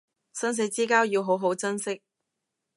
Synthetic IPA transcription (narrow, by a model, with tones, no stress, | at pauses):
sɐ˥ns̬e˨˥jt͡siː˥kaː˥wji˧wɦo˨˥wɦo˨˥wt͡sɐ˥nsɪ˥k̚